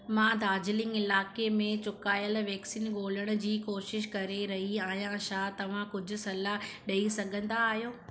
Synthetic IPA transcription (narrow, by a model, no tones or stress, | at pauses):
mãːd̪ʱaːd͡ʑɪlɪ̃ŋɡɪlaːkemẽt͡ɕʊkaːjəlʋɛːksiːnɠoːləɽ̃ʊ̆d͡ʑiːkoːʃɪʃkɐɾeɾɐɦiaːɦijãʃaːt̪ɐʋ̤ãkʊd͡ʑʱʊ̆sɐlaɗɐisɐɡʱə̃nd̪aːɦijoː